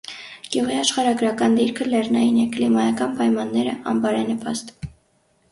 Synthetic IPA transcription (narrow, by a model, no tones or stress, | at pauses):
ɡ̥juʁiɑʃχɑɾɑɡɾɑkɑnd̪iɾkʰəlɛrnɑjinɛklimɑjɑkɑnpɑjmɑnːɛɾəʔɑ̰mbɑɾɛnəpʰɑ̰st̪